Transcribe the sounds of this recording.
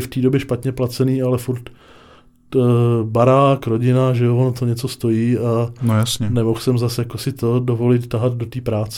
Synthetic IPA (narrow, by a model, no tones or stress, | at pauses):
ft̪iːdo̞bjɛʃpat̪ɲɛplat͡sɛniːalɛfuɾt̪ | baɾaːkɾoɟɪnaʒɛovonot̪oɲɛt͡so̞st̪o̞jiːanojasɲɛnɛmo̞xsɛmzasjakosɪt̪o̞do̞vo̞lɪt̪t̪aɦad̪̚do̞t̪iːpɾaːt͡sɛ